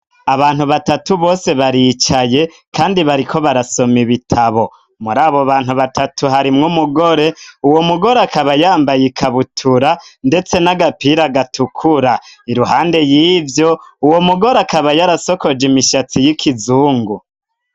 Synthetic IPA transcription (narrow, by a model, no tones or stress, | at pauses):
aβaːn̥huβatatuβo̞ːse̞βaɾit͡ʃaje̞ | kaːndiβaɾiko̞βaɾaso̞miβitʰaβo̞ | muɾaːβoβaːnhuβatʰatuɦaɾimŋumuɡo̞ɾe̞uwo̞muɡo̞ɾeakaβajaːmbajikʰaβutʰuɾande̞t͡se̞naɡapiɾaɡatukʰuɾaiɾuɦaːnde̞jiːvjo̞uwo̞muɡo̞ɾeakaβajaɾaso̞ko̞d͡ʒimiʃat͡sijikʰizuːŋɡu